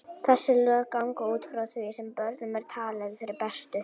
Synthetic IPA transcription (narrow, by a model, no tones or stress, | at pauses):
θɛsːɪlœːkawŋkauːt̪fɾawθvisɛmpœɾt̪nʏmɛɾ̥t̪ʰaːlɛɣfɪɾɪɾpɛst̪ʏ